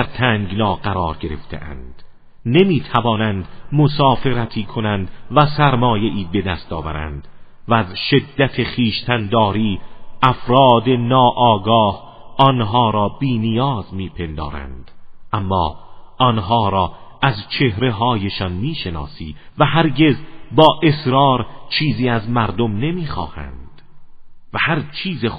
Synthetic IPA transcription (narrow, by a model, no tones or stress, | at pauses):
d̪æɾt̪ʰæŋɡnɒːɡæɾɒːɾɡe̞ɾe̞̰ft̪ʰḛʔæ̰nd̪̥ | nemiːt̪ʰævɒːnænd̪mosɒːfe̞ɾæt̪ʰiːkʰonænd̪væsæɾmɒːje̞ʔiːbe̞d̪æst̪ɒːvæɾæ̰nd̪̥ | væːzʃe̞d̪ːæt̪ʰe̞χiːʃt̪ʰænd̪ɒːɾiːʔæfɾɒːd̪enɒːʔɒːɡɒːh | ʔɒnɦɒːɾɒːbiːnijɒːzmiːpʰe̞nd̪ɒ̰ːɾæ̰nd̪̥ʔæmːɒːʔɒnɦɒːɾɒːʔæzt͡ʃʰe̞hɾe̞ɦɒːjeʃɒnmiːʃe̞nɒ̰ːsḭːvæɦæɾɟe̞zbɒːʔe̞sɾɒːɾt͡ʃʰiːziːæzmæɾd̪omne̞miːxɒ̰ːhæ̰nd̪̥væhæɾt͡ʃʰiːze